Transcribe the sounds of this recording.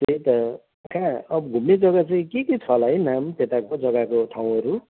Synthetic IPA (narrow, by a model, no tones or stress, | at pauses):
t̪et̪ʌ | kʰãʌbʌɡʱumned͡zʌɡat͡saĩkeket͡sʰʌlajnamt̪et̪akod͡zʌɡakot̪ʰaw̃ɦʌɾu